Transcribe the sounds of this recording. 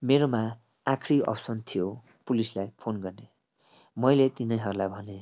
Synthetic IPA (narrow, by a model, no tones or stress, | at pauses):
meɾoma | akʰɾiʌ̰bsʌnt̪ʰijo | pulislajpʰonɡʌrne | mʌjlet̪inʌjɦʌɾulajbʱʌne